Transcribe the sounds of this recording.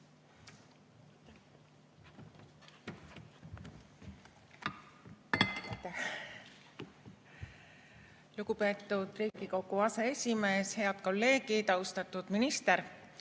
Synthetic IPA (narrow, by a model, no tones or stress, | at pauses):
t̪æ | luɡ̥upe̞ːt̪ːˑud̪̥riːɡ̥iko̞ɡˑuɑsee̞sʲime̞ːshe̞ɑd̪̥̚ko̞lːe̞ːɡid̪ɑust̪ɑt̪ːˑud̪̥minist̪e̞ɾ